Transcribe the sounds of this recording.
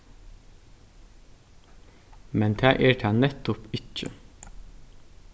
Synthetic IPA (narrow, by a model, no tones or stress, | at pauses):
mɛnt̪ʰæːʔeːʈʰæːnɛt̪ʊpʏt͡ʃə̰